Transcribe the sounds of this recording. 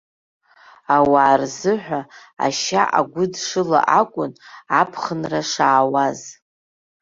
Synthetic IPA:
awaːrzɨħʷᶣaa̰ʃaʔa̰ɡʷʊdʂɨla̰ʔakʷʼʊnapʰχənraʂaːwaz

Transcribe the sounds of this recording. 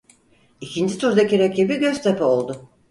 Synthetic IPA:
icʰind͡ʒit̪ʰuɾd̪aciɾecʰʲibiɟøzt̪ʰepɛo̞lˠd̪ʊ

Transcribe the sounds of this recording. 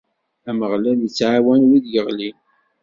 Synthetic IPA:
æməʁlælət͡sːʕawænwiðjəʁlin

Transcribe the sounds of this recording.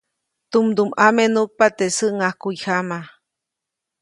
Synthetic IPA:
t̪umd̪umamenuk̚pat̪esɨʔŋahkujhama

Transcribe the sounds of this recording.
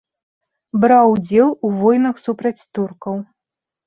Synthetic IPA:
bɾawd͡zʲɛlˠuvɔjnɐxsupɾɐt͡sʲt̪urkɐw

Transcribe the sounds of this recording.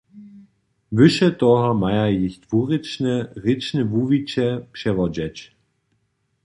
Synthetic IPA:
vʏʃətɔhɐmaɪɐjɪçtv̥uʁɪt͡ʃnəʁɪt͡ʃnəvuvit͡ʃəpʃɛvɔd͡ʒɛt͡ʃ

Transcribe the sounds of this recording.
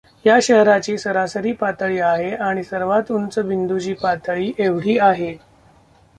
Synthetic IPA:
jaɕəɦɾat͡ɕiːsəɾasəɾiːpat̪əɭiːaɦeaɽ̃isəɾʋat̪unt͡səbind̪ud͡ʑiːpat̪əɭiːʔeʋɽ̤iːaɦe

